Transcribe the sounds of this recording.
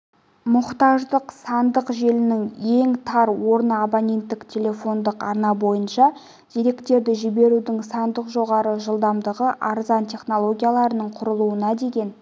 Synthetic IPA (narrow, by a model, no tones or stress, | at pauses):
mʊqt̪ɑʒd̪əqsɑnd̪əqʒe̞lɪnɪŋe̞ŋt̪ʰɑɾwo̞ɾnabonʲe̞nt̪ːɪkt̪ʲʰe̞lʲe̞fo̞nd̪əqɑɾnɑbo̞jənʃɑ | d̪̥iɾe̞kt̪e̞ɾd̪ɪʒɪbe̞ɾud̪ɪŋsɑnd̪əqʒo̞ʁɑɾəʒəlˠd̪ɑmd̪əʁəʔɑɾzɑnt̪ʲʰe̞χno̞lˠo̞ɡʲijalˠɑɾənəɴqʰʊɾəlˠuənɑd̪e̞ɡʲe̞n